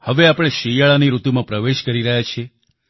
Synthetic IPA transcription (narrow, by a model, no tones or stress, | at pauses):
həʋeapɽ̃eʃijaɭaniɾut̪umãpɾəʋeʃkəɾiɾəɦjat͡ʃʰe